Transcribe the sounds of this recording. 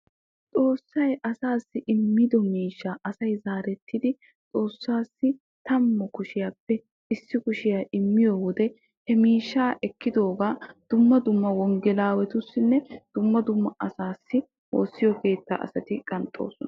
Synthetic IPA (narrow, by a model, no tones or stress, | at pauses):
t͡sʼo̞ːsːɐjʔɐsaːsːɪʔɪmːɪd̪ɔmiːʃːaːʔɐsɐjzaːɾɛt̪ːɪd̪ɪ | t͡sʼo̞ːsːaːsːɪ | t̪ɐmːɔkʊʃɪjaːpːɛ | ɪsːɪkʊʃɪjaːʔɪmːɪjɔwɔd̪ɛ | hɛmiːʃːaːʔɛkːɪd̪o̞ːɡaːd̪̥ʊmːɐd̪ʊmːɐwɔŋɡɛlaːwɛt̪ʊsːɪnːɛd̪̥ʊmːɐd̪ʊmːɐʔɐsaːsːɪ | wo̞̰ːsːɪjɔke̞ːt̪ːa̰ːʔɐ̰sɐt̪ɪkʼɐnt̪ʼːo̞̰ːsɔnɐ